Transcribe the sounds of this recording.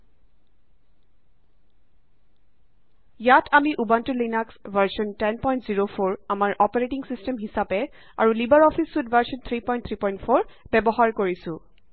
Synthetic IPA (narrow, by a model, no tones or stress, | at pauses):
jatʰamiʔubantulinaksvʱaɹsɔntɛnpɔjntziɹofʰoɹamaɹʔɔpaɹetiŋsistɛmɦisapɛ | a̰ɹulibaɹɔpʰisːudvʱaɹsɔnt̪ʰɹipɔj̃nt̪ʰɹipɔj̃ntfʰoɹbɛbɔɦaɹkoɹisʊ̃